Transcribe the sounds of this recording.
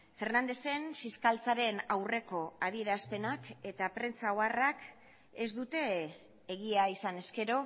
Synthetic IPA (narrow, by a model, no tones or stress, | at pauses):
fe̞rnand̪e̞se̞nfiskalt͡saɾe̞nawre̞ko̞að̞ie̞ɾaspe̞nake̞t̪apɾe̞nt͡saoarak | ezd̪ut̪e̞ː | ɣiaisane̞ske̞ɾo̞